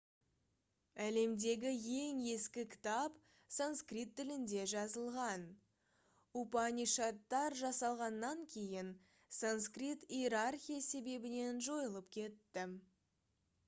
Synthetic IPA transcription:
æle̞md̪e̞ɡʲɪje̞ŋe̞skʲɪkʲʰɪ̥t̪ɑp | sanskrit̪ʰːɪlɪnd̪e̞ʒɑzəlˠʁɑn | upɑniʃat̪ːɑɾʒɑsɑlˠʁɑnːɑŋkʲʰe̞jɪn | sanskrit̪ieɾarxʲijase̞be̞bɪne̞nʒo̞jəlˠəpkʲʰe̞t̪ːɪ

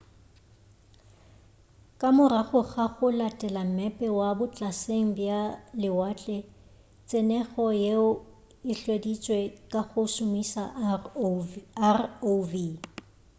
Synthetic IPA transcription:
kʼamʊɾaɣʊɣaɣʊlatʼɛlam̩mɛpʼɛwabʊt͡ɬʼaseŋ̩bjalɪwat͡ɬʼɛ | t͡sʼɪnɛɣɔjeʊ | ɪɬwedit͡sʼwekʼaɣʊsʊmisa | arovi

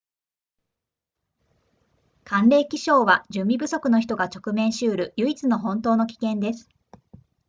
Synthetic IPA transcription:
kʰãnɾe̞ːkʲiɕo̞ːβad͡ʑɨ̃mbʲibɯ̟so̞kɯ̟noçi̥t̪o̞ɡat͡ɕo̞kɯ̟mẽ̞ɰ̃ɕɨːɾɯ̟jɯ̟it͡sɨno̞ɦõ̞nt̪o̞ːno̞kʲi̥kẽ̞nd̪e̞sɨ̥

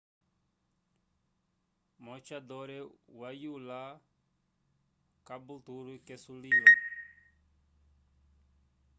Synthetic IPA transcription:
mɔt͡ʃad̪ɔɾɛwajula | kabut̪uɾukɛsulijɔ

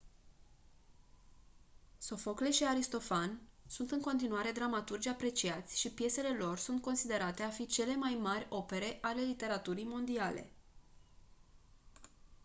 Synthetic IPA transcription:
so̞fo̞kle̞ʃiaɾist̪o̞fansunt̪ɨŋko̞nt̪inuaɾe̞d̪ɾamat̪urd͡ʒʲapɾe̞t͡ʃiat̪sʲʃipje̞se̞le̞lo̞rsunt̪̚ko̞nsid̪e̞ɾat̪e̞afit͡ʃe̞le̞majmarʲo̞pe̞ɾe̞ʔale̞lit̪e̞ɾat̪uɾijmo̞nd̪ialḛ

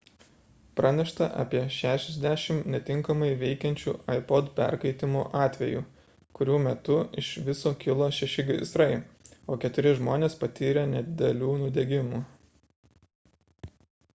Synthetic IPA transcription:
pɾɑnʲɛʃt̪ɐʔɑ̰ːpʲiɛʃʲæːʃʲɛzʲd̪ʲæʃʲɪmnʲɛt̪ʲɪŋkɐmɐɪʋʲɛɪkʲɛnʲt͡ʃʲṵːɐɪpɔt̪pʲɛ̰ɾkɐɪt̪ʲɪmoːʔɑːt̪ʲʋʲɛ̰jṵː | kʊɾʲuːmʲɛt̪ʊɪʃʋʲɪsoːkʲɪlˠoːʃʲɛʃʲɪɡʲsɾɐɪoːkʲɛt̪ʊɾʲɪʒmoːnʲeːspɐt̪ʲiːɾʲɛnʲɛd̪ʲɪd̪ʲɛlʲuːnʊd̪ʲɛɡʲɪmuː

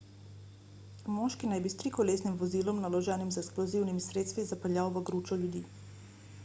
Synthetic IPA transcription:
mɔʃkinajbist̪ɾikɔleːsnimʋɔziːlɔmnalɔʒɛːnimzɛksplɔziwnimisɾeːt̪st̪ʋizapəljawʋəɡɾuːt͡ʃɔljud̪iː

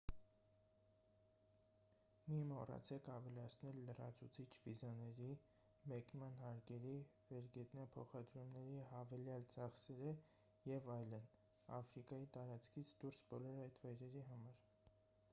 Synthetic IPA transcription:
mimɔrɑ̰t͡sʰɛkʰɑvɛlɑt͡sʰnɛlːərɑ̰t͡sʰut͡sʰit͡ʃʰvizɑnɛɾi | mɛknmɑnɦɑɾkɛɾi | vɛɾɡɛt̪nɑpʰɔχɑd̪ɾumnɛɾiɦɑvɛljɑlt͡sɑχsɛɾə | jɛvɑjlən | ɑ̰fɾikɑjit̪ɑɾɑt͡skʰit͡sʰd̪uɾsbɔlɔɾɑjt̪vɑjɾɛɾiɦɑmɑɾ

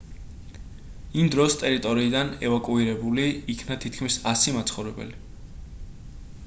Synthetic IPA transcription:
imd̪ɾɔst̪ʼɛɾit̪ʼɔɾiːd̪anɛvakʼuiɾɛbuliikʰnat̪ʰit̪ʰkʰmisasimat̪sʰχɔvɾɛbɛ̰li

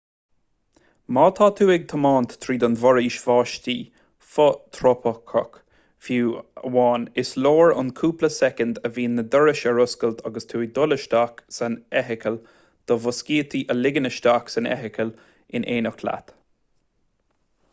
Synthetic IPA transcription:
mɑːt̪ʰɑːt̪ʰuːɪɡ̚t̪ʰəmɑːnt̪ːʰɾiːd̪ɔnvɔɹiːʃv̥ɑːʃt̪iː | fɔt̪ʰɾɔpʰəkʰɔk | fjuːə̰wɑːnɪsloːɹʊ̰nkʰuːpləsɛkənd̪əviːnːəd̪əɹɪʃəɹʊskəlt̪ʰɑɡəst̪ʰuːd̪ʊləʃt̪aːksanɛɦɪkʰəl | d̪̥ɔvʊskiːət̪ʰiʔəlɪɡənəʃt̪aːksanɛ̰ɦɪkʰəl | ɪnʔeːnəkʰla̰t̪

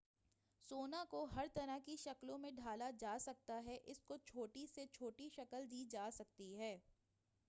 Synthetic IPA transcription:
soːnakoɦɐɾt̪ɐɾəɦkiʃɐklõmẽɖʱaːlad͡ʒaːsɐk̚t̪aɦɛʔɪskot͡ʃʰoːʈiset͡ʃʰoːʈiʃɐkəld̪iːd͡ʒaːsɐk̚t̪iɦɛː

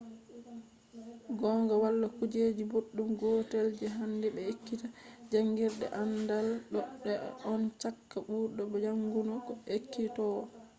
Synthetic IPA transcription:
ɡɔŋɡawalːakud͡ʒeːd͡ʒiboɗːumɡɔteld͡ʒɛɦandɛbɛekːitad͡ʒaŋɡiɾɗɛ̰ʔandalɗɔɗːɛɔnt͡ʃakːaɓuːɾɗɔbɛd͡ʒaŋɡunɔɡɔekːitɔwɔ

